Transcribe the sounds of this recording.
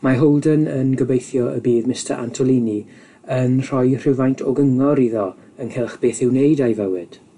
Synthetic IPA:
maɦolˠdənənɡəbejθjɔə̰biːðmɪstəɾʔa̰ntʰɔlˠiːni | ənr̥ɔjr̥ɪvajntʰɔɡəŋɔɾiðɔ | ənhɪlˠχb̥eːθɪwnejdajvəwɨd̥

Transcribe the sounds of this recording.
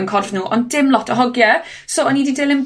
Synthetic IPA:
nkʰɔrvnuːʔɔndɪmlˠɔtʰəɦɔɡjɛ | soːɔniːdidɪlɪm

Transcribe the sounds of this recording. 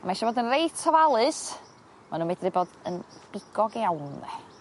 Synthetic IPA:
amaiʃɔvoːdənrejtʰɔvalˠɨs | manuːmedrɪbɔːd̥ənb̥ɪɡ̥ɔɡawnðɛ̰

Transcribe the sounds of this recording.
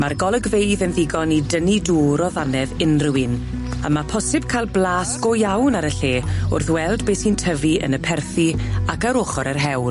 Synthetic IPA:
marɡɔlˠəɡvejðənðɪɡɔnidəniduːɾɔðanɛðɪnrɪwɪn | a̰mapʰɔsɪb̥̚kʰaɪlˠblˠaːsɡ̥ojawnaɾəɬeːʊ̰rθwɛlˠdbeːsiːntʰəviə̰nəpʰɛrθiakaɾoχɔɾɛrɦɛwn

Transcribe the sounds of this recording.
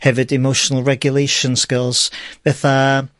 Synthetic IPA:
hɛvɪdɪmoʃənəlˠɹɛɡjʊlejʃə̃nskɪlˠz̥vɛθa

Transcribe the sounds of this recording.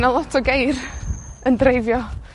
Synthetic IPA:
nalˠɔtʰɔɡejrəndrejvjɔ

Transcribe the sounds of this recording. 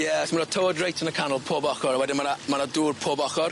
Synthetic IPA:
jɛsməɾɔtʰowədrejtʰənəkʰanəlˠpʰoːbɔχɔɾawɛdɪnmanamanaduːrpʰoːbɔχɔr

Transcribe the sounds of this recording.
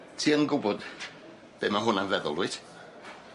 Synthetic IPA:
tʰiːənɡʊbɔd̥ | b̥eːmaɦʊnanvɛðɔ̰lˠwɨd̥

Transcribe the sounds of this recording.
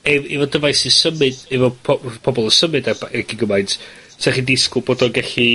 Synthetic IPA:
ɛivɔdəvajsisəmɨd̥ɛvɔpʰɔpʰɔbɔlˠəsəmɨdabaɛɡɪɡəmajntʰ | tʰaχidɪskʊboːdɔɡɛɬi

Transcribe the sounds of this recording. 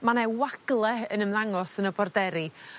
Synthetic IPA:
manɛwaɡ̥lˠɛənəmðaŋɔsənəbɔrdɛɾi

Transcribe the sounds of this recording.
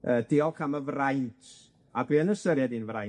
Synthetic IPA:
əːd̥ɪɔlˠkʰaməvrajntʰ | adiːənəsəɾjadinvraj

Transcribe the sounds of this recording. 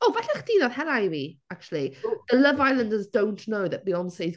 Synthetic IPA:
oːvɛɬɛχd̥iːðaðhɛɾajwiak̚t͡ʃulˠiðələvajlˠə̃ndəzdõw̃nʔnowðəʔ̚ðiɔnsejz

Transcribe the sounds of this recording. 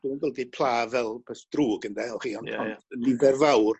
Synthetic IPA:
d̥uːnɡəlˠdipʰlˠaːvɛlˠpʰɛsd̥ruːɡəndɛɔlˠχiːɔnɔndlɪvɛrvawr

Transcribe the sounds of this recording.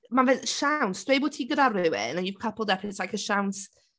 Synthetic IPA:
manvɛʃawnsd̥wejbʊːd̚tʰiːɡədarɪwɪ̰nəiv̥kʰapʰəlˠdɛpʰɪslajkʰəʃawns

